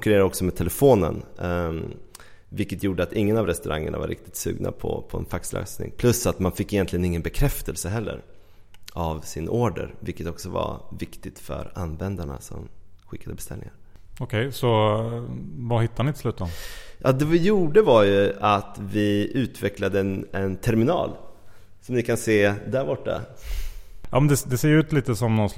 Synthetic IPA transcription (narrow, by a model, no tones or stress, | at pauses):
ŋkɵɾeːɾaɾɔksɔmɛt̪ʰɛlɛfoːnə̰n | vɪlkːət̪juːɖəat̪ɪŋːənavɾɛst̪ɵɾaŋːəɳava̰ɾʔɪ̰k̚t̪ɪ̥t̪sʉ̟ːɡna̰pʰɔpʰɔɛ̰nfakslœ̰ːsnɪ̰ŋpʰlɵsːat̪manfɪkːɪjɛnt̪lɪɡənɪŋːənbɛkʰɾɛft̪əlsəɦɛlːə̰ɾ | avsɪnʔoːɖə̰ɾvɪlkːət̪ɔksɔva̰vɪkt̪ɪt̪fœ̰ɾanvɛnd̪aɳa̰sɔ̰mɧɪkːad̪əbɛst̪ɛlɪŋaɾ | ɔkʰɛjsɔ | vahɪt̪ːaɳɪt̪ɪ̥slʉ̟ːt̪ɔmjʔɑ̰ːd̪ɛvɪjuːɖəvaɾjɵat̪vɪʉ̟ːt̪vɛklad̪əɛnt̪ʰɛɾmɪnɑ̰ːl | sɔmnɪkʰanseːd̪æɾbɔʈːa̰ | jɑ̰ːmɛnd̪ɛd̪ɛseːjʉ̟ːt̪liːt̪əsɔmnɔn